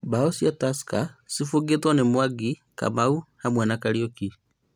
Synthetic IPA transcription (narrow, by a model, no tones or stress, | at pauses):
baosjatasi̥kasifuɡetwanemwaɡi | ka̰mauhamwɛnakaɾioki